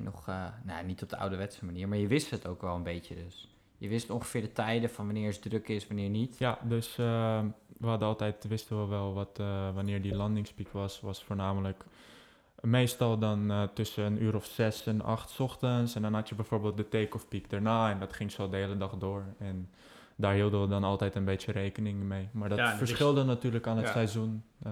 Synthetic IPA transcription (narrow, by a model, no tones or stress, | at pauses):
nɔ̰χna̰nitɔp̚dəa̰wdəʋɛtsəmaniːɹmaːɹjəʋɪsthətowkʋɛlˠənbejtədøs | jəʋɪstɔŋχə̥fɪːɹdətɛjdəfɑnʋanɪːɹəsdrøkɪsʋanɪːɹnitjadøsəʋəɦɑdəɑlˠtɛjtʋɪstəʋɔlˠʋɛlˠʋɔtʋanɪːɹdilɑndɪŋspikʋɑsʋɑsfoːɹnaːmələk | meːstɔlˠdɔntɵsənyːɾɔfsɛsɛnɑ̰χtsɔxtənsɛndɔnɦɑtjəbɛjfoːɹbeːlˠt̚dəteːkɔfpikdəɹnaːɛndɔtχɪŋsodəɦeːlədɑχdoːɹɛn | daːɹɦiːlˠdəʋədɔnɑlˠtɛjtənbeːtjəreːkənɪŋmejmaːɹdɔtfəɹsχɪlˠdənatyːɹləkaːnətsɛjzun